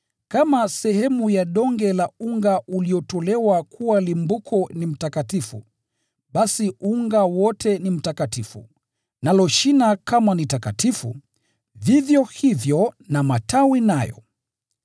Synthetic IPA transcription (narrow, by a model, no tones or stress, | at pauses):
kamasɛhɛmujaɗɔŋɡɛlauŋɡaʔuliɔtɔlɛwakʰuwalimbukʰɔnim̩takatifṵ | ɓasiʔuŋɡawɔtʰɛnim̩takatifṵ | nalɔʃinakamanitakatifṵ | vivjɔhivjɔnamatʰawinajɔ̰